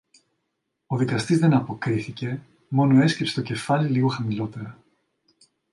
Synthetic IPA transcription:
oðikɐst̪izðe̞nɐpo̞kɾiθice̞ | mo̞noe̞scepset̪o̞ce̞fɐliliɣo̞xɐmilo̞t̪e̞ɾɐ

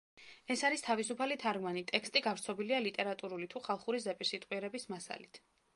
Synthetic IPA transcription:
ɛsaɾist̪ʰavisupʰalit̪ʰaɾɡmanit̪ʼɛkst̪ʼiɡavɾt̪sʰɔbilialit̪ʼɛɾat̪ʼuɾulit̪ʰuχalˠχuɾizɛpʼiɾsit̪ʼwiɛɾɛbismasa̰lit̪ʰ

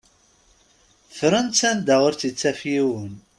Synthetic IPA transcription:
fɾənt͡sænd̪aʁʊɾt͡sit͡sːæfjiwən

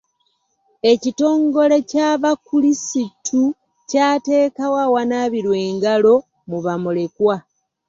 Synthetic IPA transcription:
e̞cito̞ːŋɡo̞le̞caːβakulisitʰu | caːte̞ːkawawanaːβiɾwe̞ːŋɡalo̞ | muβamule̞kwa

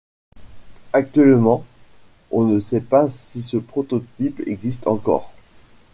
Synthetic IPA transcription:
ak̚t̪ɥɛlmɑ̃ | ɔ̃nəsɛpasisəpχɔt̪ɔt̪ipɛ̰ɡzist̪ɑ̰̃kɔ̰ːʁ

